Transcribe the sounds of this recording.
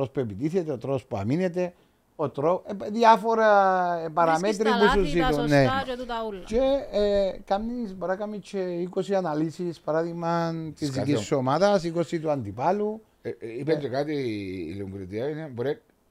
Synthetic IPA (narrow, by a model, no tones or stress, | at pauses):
ɾospepit̪iθet̪eot̪ɾospa̰minet̪e | ot̪ɾoðiafoɾapaɾamet̪ɾipususit̪uneut̪aut͡ʃe | kamnisboɾakamːit͡ʃeikosianalisispaɾaðiɣmɐnt̪izðikisomaðɐs̬ikosit̪uant̪ipalu | iped͡ʒ̪ekat̪ḭluuŋɡɾit̪iaineboɾek̚